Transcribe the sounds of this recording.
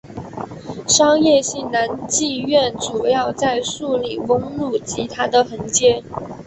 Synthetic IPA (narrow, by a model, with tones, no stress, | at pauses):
ʂɑ˥ŋjɛ˥˧ɕi˥˩nna˧˥nt͡ɕi˥˧ɥɛ˥˩nʈ͡ʂu˨˩jɑ˥˧ʊt͡sa˥˧ɪʂu˥˩li˨˩wə˧˥ŋlu˥˩t͡ɕi˧˥t̪ʰa˥d̪ə˨xə˧˥ŋt͡ɕjɛ˥